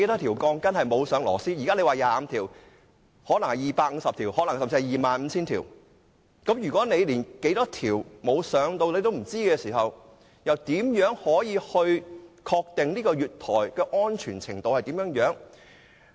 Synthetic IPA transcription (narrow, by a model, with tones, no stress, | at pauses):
e˧˥jt̪ɔː˥t̪ʰiː˨˩wkɔː˧ŋkɐ˥nhɐ˨jmo˨˧wsœː˨˧˥ŋlɔ̰ː˨˩siː˥jiː˨˩kaː˥le˨˧jwaː˨jaː˨˦mt̪ʰiː˨˩w | hɔː˨˥nɐ˨˩ŋhɐ˨˩jiː˨paː˧k̚ŋ̩˨˧sɐ˨p̚t̪ʰiː˨˩whɔː˨˥lɐ˨˩ŋsɐ˨mt͡si˧hjiː˨maː˨nm̩˨˧˦t͡sʰiː˥nt̪ʰiː˨˩w | kɐ˨˥mjyː˨˩kɔː˨˥ne˨˧jliː˨˩nke˨˥jt̪ɔː˥t̪ʰiː˨˩wmo˨˧wsœː˨˥ŋt̪o˧wle˨˥jt̪o˥wm̩˨˩t͡siː˥kɛː˧siː˨˩ɦɐ˨w | jɐ˨wt̪iː˨˥mjœː˨˥ŋhɔː˨˥jiː˨˧hɵ˧ɥkʰɔː˧k̚t̪ɪ˨ŋniː˥kɔː˧jyː˨t̚t̪ʰɔː˨˩jkɛː˧ʔɔː˥nt͡ʃʰyː˨˩nt͡sʰɪ˨˩ŋt̪o˧whɐ˨jt̪iː˨˥mjœː˨˥ŋjœː˨˥ŋ